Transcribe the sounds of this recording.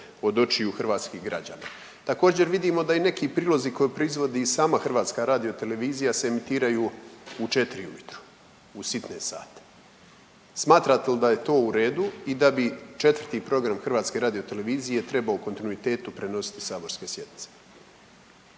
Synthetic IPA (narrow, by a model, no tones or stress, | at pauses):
o̞d̪o̞t͡ʃijuxr̩ʋaːt̪skiɣɡɾa̰d͡ʑa̰ːna̰ː | t̪ako̞ːd͡ʑe̞ɾʋid̪iːmo̞d̪aine̞kiːpɾiːlˠo̞zikojepɾo̞izʋo̞d̪iːsaːmaxr̩ʋaːt̪skaɾaːd̪io̞t̪e̞le̞ʋiːzijaseemit̪iːɾajuːut͡ʃe̞t̪ɾiṵmit̪ɾu̥ | usit̪neːsa̰ːt̪ḁ | smaːt̪ɾat̪elid̪aje̞t̪o̞ːuɾeːd̪uid̪abit͡ʃe̞t̪vr̩t̪iːpɾo̞ɡɾamxr̩ʋaːt̪ske̞ɾaːd̪io̞t̪e̞le̞ʋiːzije̞t̪ɾe̞baoko̞nt̪inuit̪e̞ːt̪upɾe̞no̞si̥t̪i̥saːbo̞ɾske̞sje̞d̪nit̪e̥